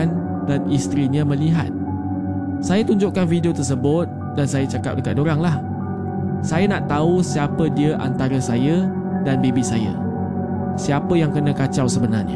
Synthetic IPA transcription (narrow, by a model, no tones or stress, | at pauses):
an | danist̪ɾiɲãmə̃liɦa̰t̪̚ | sajat̪uɲd͡ʒʊʔkanfidiot̪ərs̬əbʊt̪̚ | dansajat͡ʃaka̰p̚dəkat̪̚doɾaŋlah | sajanaʔt̪ausiapədiəʔa̰nt̪aɾasaja | danbebisaja̰ | siapəjaŋkənãkat͡ʃawsəbənarɲa̰